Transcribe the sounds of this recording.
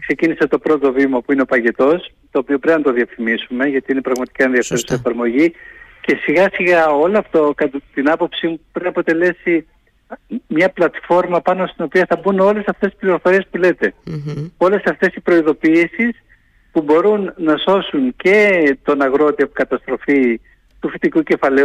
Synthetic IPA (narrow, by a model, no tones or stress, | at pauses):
kse̞cinise̞t̪o̞pɾo̞t̪o̞vimɐpuineo̞pɐʝe̞t̪o̞s | t̪o̞ːpio̞pɾeinɐt̪o̞ðiɐfimisume̞ʝɐt̪iine̞pɾɐɣmɐt̪i̥kɐenðiɐfe̞ɾusiefɐɾmo̞ʝice̞siɣɐsiɣɐo̞loɐft̪okɐt̪t̪inɐpo̞psimupɾinɐpo̞t̪e̞le̞si | mɲɐplɐt̪fo̞ɾmɐpɐno̞st̪ino̞piɐθɐbuno̞le̞sɐft̪e̞si̥pliɾo̞fo̞ɾie̞spule̞t̪e̞o̞le̞sɐft̪e̞sipɾo̞iðo̞piːsis | pubo̞ɾunːɐso̞sunce̞t̪o̞nɐɣɾo̞t̪iopkɐt̪ɐst̪ɾo̞fi | t̪ufit̪ikuce̞fɐle̞u